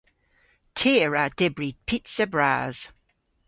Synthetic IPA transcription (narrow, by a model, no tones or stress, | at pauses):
tʰiəɹad̥ɛbɹipʰitsəbɹa̰ːz̥